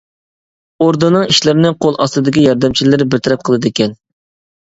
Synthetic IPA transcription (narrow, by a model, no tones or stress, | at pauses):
oɾd̪ɨnɨŋiʃlɪɾɪnɪqʰolˠʔɑst̪ɨd̪ɪkʲijɑɾd̪ɛmt͡ʃʰilɪɾbɪlt̪ʰɪɾɛp̚qʰəlˠɨd̪ɪkʲɛn